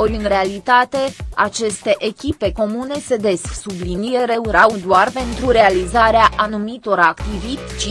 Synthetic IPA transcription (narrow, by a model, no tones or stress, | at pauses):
o̞ɾʲɨnre̞alit̪at̪e̞at͡ʃe̞st̪e̞ʔekʲipe̞ko̞mune̞se̞d̪e̞sksublinije̞ɾe̞uɾawd̪oarpe̞nt̪ɾuɾe̞alizaɾeaʔanumit̪o̞ɾakt̪ivit̪ʲt͡ʃi